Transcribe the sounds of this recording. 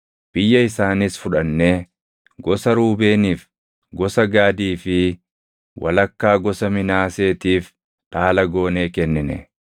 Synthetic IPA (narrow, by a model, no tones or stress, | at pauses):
b̥ɪjːɐɪsaːnɪsfʊᶑɐnːe̞ː | ɡɔsɐɾuːbe̞ːniːf | ɡɔsɐɡaːd̪iːfɪ | wʔɐ̰lɐkːaːɡɔsɐmɪnaːse̞ːt̪iːf | ᶑaːlɐɡo̞ːneːkɛnːɪnɛ̰